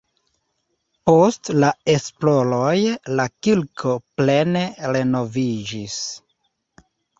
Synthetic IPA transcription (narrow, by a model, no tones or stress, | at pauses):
po̞stlae̞splo̞ɾojlakilkʰo̞ple̞ne̞ɾe̞no̞vid͡ʒis